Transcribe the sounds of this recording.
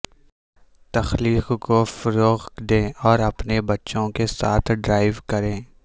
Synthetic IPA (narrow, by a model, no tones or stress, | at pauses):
t̪ɐxliːqkofʊɾoːɣd̪ẽːɔːɾɐpnebɐtːʃõkesaːt̪ʰɖɾaːɪʋkɐɾẽː